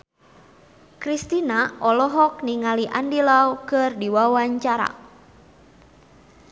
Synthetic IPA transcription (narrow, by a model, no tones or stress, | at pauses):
kɾist̪inaɔlɔɦɔk̚niŋaliʔandilawkɨrdiwawaɲt͡ʃaɾa̰